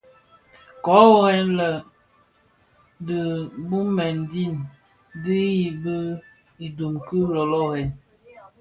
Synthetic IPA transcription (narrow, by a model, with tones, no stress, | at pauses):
kɔ˨˦wɔ˦ɣɛ˦nlə˨ | də˨bu˦mɛ˨ndi˦˨n | di˦ji˨bə˦ | i˨du˨mkɨ˦ɾɔ˨lɔ˦ɣɛ˨n